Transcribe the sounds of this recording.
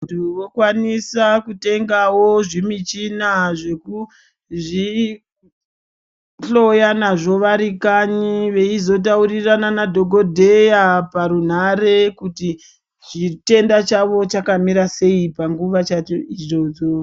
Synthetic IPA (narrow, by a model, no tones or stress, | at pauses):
utuʋo̞kwanisakute̞ŋɡawo̞ʐimit͡ʃinaʐe̞ku | ʐi | ɬo̞janaʐo̞ʋaɾikaɲiʋe̞izo̞t̬aurirananadʱo̞ɡʱo̞dʱe̞japaɾun̤aɾe̞kuti | t͡ʃite̞ndat͡ʃaʋo̞t͡ʃakamiɾase̞ipaŋɡuʋat͡ʃat͡ʃoiʐo̞ʐo̞